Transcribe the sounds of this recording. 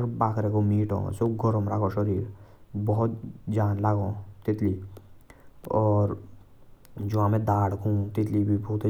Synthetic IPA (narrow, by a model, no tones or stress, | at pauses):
ɾbaːkʰɾekomiːʈõ̰seɡʱəɾomɾakʰõʃəɾiːɾbɔɦʊt̪̚d͡ʒaːnlaɡõt̪ɪt̪li | ɔːɾ | d͡ʒoãmẽd̪aːɽkũːt̪ɪt̪libʱibuːt̪e